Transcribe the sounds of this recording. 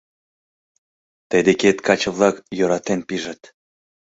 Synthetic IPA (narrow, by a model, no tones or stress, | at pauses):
t̪ed̪eket̪kɑt͡ɕə̆βlˠɑkjøɾɑt̪enpiʒə̆t̪